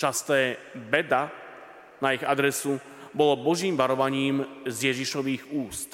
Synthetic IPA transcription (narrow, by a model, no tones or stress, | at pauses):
t͡ʃast̪ɛːbɛd̪a | naiɣa̰d̪ɾɛsu | bɔlɔbɔʒiːmʋaɾɔʋaɲiːmzjɛʒiʃɔʋiːɣuːst̪